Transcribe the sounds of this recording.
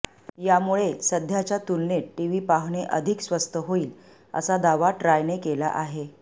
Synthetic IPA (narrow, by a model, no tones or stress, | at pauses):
jamuɭesəd̪ʱjat͡ɕjat̪ulneʈiʋiːpaɦɳeʔəd̪ʱiksʋəst̪əɦoiːl | ə̰sad̪aʋaʈɾajnekela̰ʔaɦe